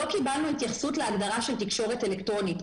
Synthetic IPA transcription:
o̞kibalnuit̪jaχsutleaɡdaʁaʃe̞ltikʃo̞ʁetelektʁo̞nit

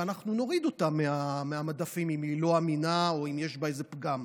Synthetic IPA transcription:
anaχnuno̞ʁid̪o̞tamːeameamadafimimilo̞aminao̞imjeʃbaezepɡam

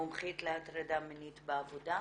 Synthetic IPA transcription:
omχitleatɾadamenitbeavoda

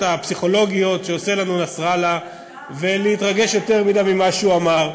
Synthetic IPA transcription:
tapsiχo̞lo̞ɡijo̞t̪ʃeose̞lanunasʁala | ve̞leitʁaɡe̞ʃjo̞t̪e̞ʁmidamimaʃeuamaʁ

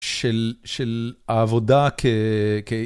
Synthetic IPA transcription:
ʃelʃelaːvodakʰeke

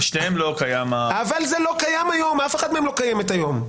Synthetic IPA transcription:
ʃneemlo̞kajamaavalzelo̞kajamajomafeχad̚meemlo̞kajemet̪ajo̞m

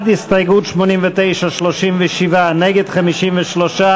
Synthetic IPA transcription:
distajɡutʃmonimvɪteɪʃaʃloʃimvɪʃivanɛɡed̪χamiʃimvɪʃloʃa

